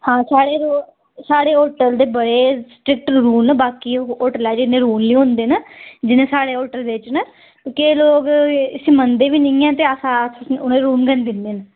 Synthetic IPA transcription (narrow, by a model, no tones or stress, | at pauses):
hãːsaːɽeːɾoː | saːɽeːoːʈəld̪eːbəɽeːsʈɾɪk̚ʈɾuːnbaːkiːoːʈəlɛːd͡ʒɪnẽːɾuːnliːɦʊ̃nd̪eːnəd͡ʒɪnẽːsaːɽeːoːʈəld̪et͡ʃnə | kːkeloːɡɪsiːmənd̪eːʋiːnəĩɛ̃ːt̪eːəsãʊnɾuːnɡənd̪ɪnd̪eːnə